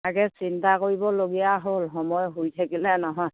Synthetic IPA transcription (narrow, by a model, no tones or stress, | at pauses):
aɡɛsintakoɹibɔloɡijaɦolxɔmɔjɦojt̪ʰakilɛnɔɦɔj